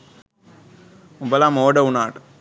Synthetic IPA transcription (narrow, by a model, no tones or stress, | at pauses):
umbɐlaːmoːɖɐunaːʈ